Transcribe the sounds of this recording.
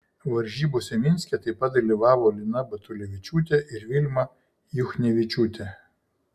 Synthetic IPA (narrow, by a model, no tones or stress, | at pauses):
ʋɐɾʲʒʲiːboːsʲɛmʲɪnʲsʲkʲɛt̪ɐɪpɐt̪̚d̪ɐlʲiʋɑːʋoːlʲɪnɐbɐt̪ʊlʲɛʋʲɪt͡ʃʲuːt̪ʲɛʔɪɾʋʲɪlʲmɐ | jʊxnʲɛʋʲɪt͡ʃʲuːt̪ʲɛ